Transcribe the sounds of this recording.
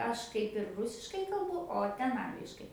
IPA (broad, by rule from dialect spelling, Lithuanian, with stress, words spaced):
ˈɐʃ ˈkɐɪp ɪr ˈrʊsʲɪʃkɐɪ kɐlˠˈbʊ oː ˈtʲɛn ˈɐŋɡlʲɪʃkɐɪ